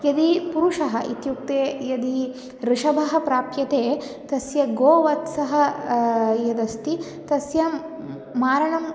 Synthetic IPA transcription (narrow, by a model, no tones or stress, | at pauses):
jɐd̪ipuɾuʂɐɦɐʔit̪juk̚t̪eːjɐd̪i | ɾɪʂɐbʱɐɦɐ̆pɾaːpjɐt̪eːt̪ɐsjɐɡoːʋɐt̪sɐɦɐ̆ | jɐd̪ɐst̪i | t̪ɐsjɐ | maːɾɐɳɐm